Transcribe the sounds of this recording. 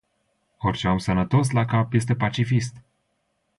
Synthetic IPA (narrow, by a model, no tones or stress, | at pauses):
orʲt͡ʃeamsənət̪o̞slakapje̞s̬t̪e̞pat͡ʃifist̪